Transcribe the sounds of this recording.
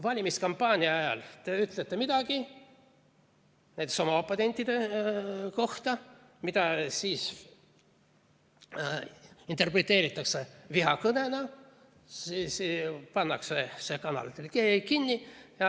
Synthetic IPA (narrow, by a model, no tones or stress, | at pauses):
vɑlʲimiskɑmpːɑːnʲiɑɑjɑ̰lt̪eyt̪let̪ːemid̪ɑɡ̥i | næet̪esomɑopːˑone̞nʲt̪ʲːˑid̪̥e | ko̞ht̪ɑ | mit̪ɑsiːs | int̪ˑe̞rpret̪ːˑe̞ːɾit̪ːˑɑkseviɦɑkɤnenɑ | ispɑnːɑksesekɑnɑ̰lit̪ːelkekinʲːijɑ